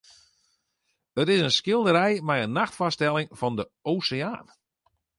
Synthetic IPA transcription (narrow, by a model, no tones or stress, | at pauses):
ətɪsənskɪlˠdəɾɛjmɛjənːaxtfɔstɛlˠɪŋfɔndə | oːseaːn